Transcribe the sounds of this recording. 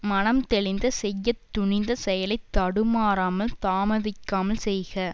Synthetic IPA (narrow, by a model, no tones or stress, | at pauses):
mɐnɐmt̪ɛɭɪnd̪ɐsɛjːɐt̪ːʊɳɪnd̪ɐsɛjɐlɐɪt̪ːɐɽɯmaːɾaːmɐlt̪aːmɐðɪkːaːmɐlsɛjɣɐ